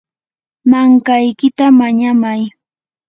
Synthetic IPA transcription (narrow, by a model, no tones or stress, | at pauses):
maŋkajkɪt̪amaɲamaj